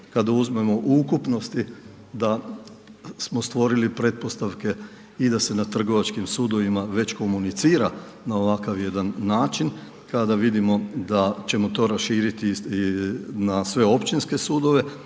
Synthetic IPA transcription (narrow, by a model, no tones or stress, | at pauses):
kad̪auzme̞mo̞ʔukupno̞st̪i | d̪a | smo̞st̪ʋo̞ɾilipɾe̞t̪̚po̞st̪aʋke̞ | id̪ase̞nat̪r̩ɡo̞ʋat͡ʃkimsuːd̪o̞ʋimaʋe̞t͡ɕko̞munit̪siːɾa | nao̞ʋakaʋje̞d̪anːaːt͡ʃin | kad̪aʋid̪imo̞d̪at͡ʃe̞mo̞t̪o̞ːɾasʃiːɾit̪i | nasʋe̞o̞pt͡ʃinske̞suːd̪o̞ʋe̞